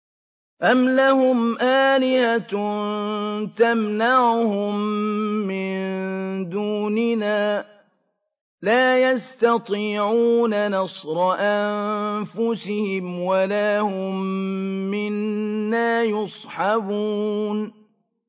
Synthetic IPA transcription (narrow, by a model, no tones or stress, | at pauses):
ʔamlahʊmʔaːlɪhat̪nt̪amnaʕʊhʊmː | ɪnd̪uːnɪnaː | laːjast̪ɑt̪ˤiːʕuːnanɑsˤɾˤɑʔamfʊsɪhɪmwalaːhʊmː | ɪnːaːjɑsˤħɑbuːn